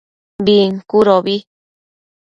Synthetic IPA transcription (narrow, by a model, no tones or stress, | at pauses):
biŋkuɾoβi